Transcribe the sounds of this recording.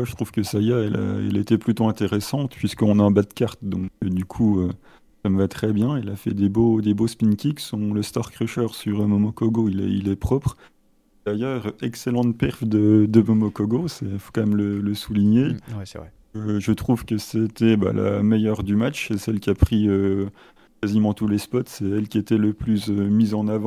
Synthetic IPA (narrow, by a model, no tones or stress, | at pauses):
maʒət̪χuv̥kəsajaɛlʔa̰ɛ̰let̪ɛplyt̪oɛ̃t̪eʁɛsɑ̃t̪pɥiskəɔ̃naɛ̃bad̪kaʁt̪d̪ɔ̃kəd̪ykʰuø | saməvat̪χɛbjɛ̃ilafɛ̰d̪ebod̪ebospinkʲiksɔ̃ləst̪aʁkχiʃœʁsyʁəmɔmɔkɔɡoilɛ̰ḭlɛpχɔpχ | d̪̥ajœːʁɛkselɑ̃t̪pɛʁvd̪əd̪əmɔmɔkɔɡosɛifo̥kɑ̃mɛmlələsuliɲewvʁɛ | əʒət̪χuvkəset̪ɛba̰la̰mejœʁd̪ymat͡ʃesɛlkʲiapχiø | kazimɑ̃t̪ulespɔt̪sɛɛlkʲiet̪ɛləplysømizɑ̃navɑ̃